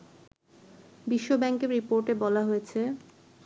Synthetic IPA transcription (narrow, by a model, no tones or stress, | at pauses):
biʃːobɛŋkeɾɾipoɾʈebɔlaɦojet͡ɕʰe